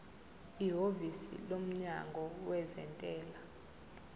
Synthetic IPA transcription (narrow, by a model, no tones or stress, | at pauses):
iɦovisḭlom̩ɲa̰ŋɡʱɔwɛzɛ̰ntʼɛːla